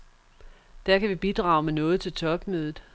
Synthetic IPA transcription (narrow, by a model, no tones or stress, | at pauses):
d̥æɐkʰæʋib̥id̥ʁɑ̈ːʊmenɔ̽ːð̩ˠt͡sʰe̝lt͡sʰɒ̽b̥møːðˠð̩ˠ